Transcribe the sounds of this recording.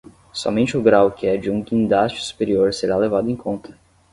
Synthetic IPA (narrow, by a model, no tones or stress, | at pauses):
sɔ̰mẽnt͡ʃɪʊɡɾawkɪɛd͡ʒɪũɡĩnd̪ast͡ʃɪ̥su̥peɾioɾseɾalevad̪ʊẽj̃kʰõnt̪ʰɐ̥